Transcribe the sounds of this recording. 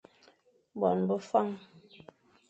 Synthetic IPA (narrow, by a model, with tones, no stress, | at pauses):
bɔ̰˨nbə˦fa˦˨ŋ